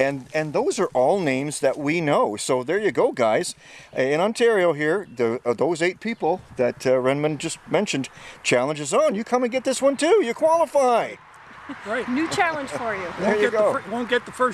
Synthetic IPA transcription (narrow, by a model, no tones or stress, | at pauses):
ɨ̃nɨ̃nðoʊzə˞ʔɔlˠnẽɪ̃mzðɨʔ̚winoʊsoʊðə˞jɨɡoʊɡaɪz̥ | ɪ̃nɑ̃ntʰɛɹioʊɦiɹðɨðoʊzeɪt̚pʰipl̩ˠðɨtɹɛ̃nmɨ̃nd͡ʒʌst̚mɛ̃nʃɨ̃ndt͡ʃʰælˠə̃nd͡ʒɨzn̩jɨkʰʌ̃mɨ̃nɡɛt̪̚ðɪswʌ̃ntʰʉjɨkʰw̥ɑlˠəfaɪ | ɹaɪtnʉt͡ʃʰælˠə̃nʒ̥fə˞jʉõɪ̃ɹjɨɨɡoʊdõʊ̃nɡ̥ɛt̪̚ðəfɜ˞